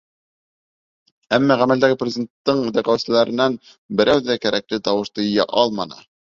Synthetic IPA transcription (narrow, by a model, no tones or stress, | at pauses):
æmːɑʁæmæld̪æɡɘprʲɪzʲd̪ʲent̪ːɤɴd̪æqæwsɘ̆læɾɘ̆næn | bɘ̆ɾæwðækæɾæk̚lɘt̪ɑwɤ̆ʃt̪ɤj̆jæ̰ʔɑlˠmɑnɤ̰